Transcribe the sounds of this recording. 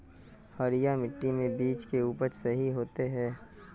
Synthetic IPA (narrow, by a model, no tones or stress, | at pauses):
hɐɾɪjamɪʈːimẽbiːt͡ʃkeuːpəɾsɐɦiɦoːt̪eɦɛː